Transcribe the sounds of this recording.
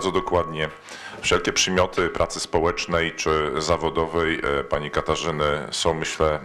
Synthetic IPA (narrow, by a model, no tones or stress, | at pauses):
d̪zɔd̪ɔkwad̪ɲɛ | fʂɛlkʲɛpʂɛmʲjɔt̪ʰɘpɾʔat̪sɘspɔwɛt͡ʂnɛjt͡ʂɘzavɔd̪ɔvɛjpaɲikat̪aʐɘnɘsɔ̃w̃mɘɕlɛ